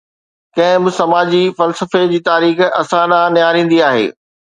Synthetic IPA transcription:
kɐ̃ɦɪ̃bɪsɐmaːd͡ʑifɐlsəfed͡ʑiːt̪aːɾiːxɐsãɗãnɪjaːɾĩːn̆d̪iaːɦḛː

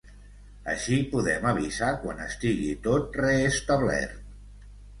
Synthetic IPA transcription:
əʃipuðɛməβizakwanəst̪iɣit̪ot̪̚reːst̪əβlɛ̰rt̪

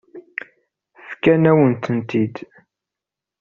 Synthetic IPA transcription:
fkænæwənt̪ənt̪id̪

